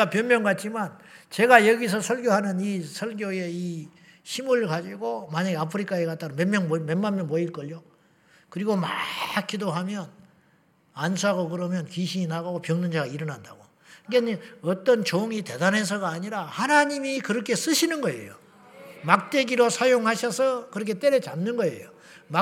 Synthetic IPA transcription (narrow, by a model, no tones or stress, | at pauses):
apjʌnmjʌŋɡat̚t͡ɕ͈imant͡ɕe̞ɡajʌɡis̬ʰʌsʰʌɭɡjoɦanɯnisʰʌɭɡjoje̞i | ɕʰimuɭkad͡ʑiɡomaɲaɡeapʰɯɾikʰaekat͈̚aɾomenmjʌŋmmenmamjʌnmʌiɭk͈ʌʎjo | kɯɾiɡomakʰːidoɦamjʌn | ansʰuaɡokɯɾʌmjʌnkiɕ̬ʰiinaɡaɡopjʌŋnɯnd͡ʑaɡaiɾʌnɦanda̰ɡo | ɡeɲiʌt͈ʌnt͡ɕoŋite̞danɦe̞s̬ʰʌɡaːɲiɾahanaɲimikɯɾʌkʰe̞s͈ɯɕʰinɯnɡʌe̞̰jo | mak̚t͈e̞ɡiɾosʰajoŋhaɕʰʌsʰʌkɯɾʌkʰe̞t͈eɾet͡ɕamnɯnɡʌe̞̰jo | ma